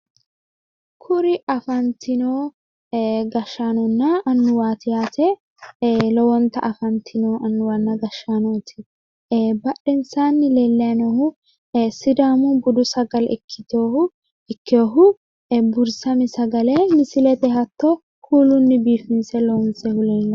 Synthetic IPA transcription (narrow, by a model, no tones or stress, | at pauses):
kʰʊɾɪʔɐfɐnt̪ʰɪnoː | ɡɐʃːaːnɔnːɐʔɐnːʊwaːt̪ɪjaːt̪ɛ | lɔwɔnt̪ːɐʔɐfɐnt̪ʰɪnoːʔɐnːʊwɐnːɐɡɐʃːaːnoːt̪ʰɪ̥ | bɐɗɪnsaːnːɪlɛlːɛɐnɔhʊ | sɪd̪aːmʊbʊd̪ʊsɐɡɐlɛkʰːɪt̪oːʊ | ɛkːɪoːɦʊ | bʊɾsɐmɪsɐɡɐlɛnɪsɪlɛt̪ɛɦɐt̪ːɔ | hʰuːlʊnːɪbiːfɪnsɛlɔwʊnsɛhʊleːnːɐ